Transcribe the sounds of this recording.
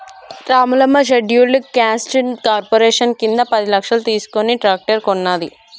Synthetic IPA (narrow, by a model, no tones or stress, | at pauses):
ɾaːmulɐmːɐʃ̬eɖjulukaːsʈinkaːɾpoɾeːʂɐnkind̪ɐpɐd̪ilɐkʂɐlɐt̪iːsu̥koniʈɾaːk̚ʈɐɾkonːaːd̪ḭ